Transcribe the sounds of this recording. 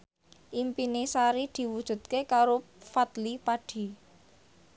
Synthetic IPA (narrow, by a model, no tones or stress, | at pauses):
ʔimpinisaɾid̪̥i̤wud̥ʒ̥ṳt̪̚kekaɾo | fat̪lipaɖ̥i̤